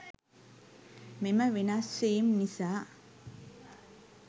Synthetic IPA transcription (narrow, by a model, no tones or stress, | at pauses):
memɐʋenasejimnisaː